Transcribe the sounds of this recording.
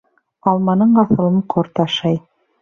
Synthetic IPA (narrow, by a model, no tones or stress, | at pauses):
ɑlˠmɑnɤɴɑθɤ̆lˠɤɴqʰoɾt̪ɑʃɑj